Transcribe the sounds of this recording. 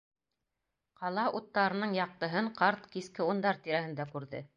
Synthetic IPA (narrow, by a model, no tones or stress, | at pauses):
qɑlˠɑʔut̪ːɑɾɤ̆nɤɴjɑq̚t̪ɤ̆ɦɤɴqɑɾt̪kiskɘund̪ɑɾt̪iɾæhɘ̆nd̪ækʉɾðɘ̰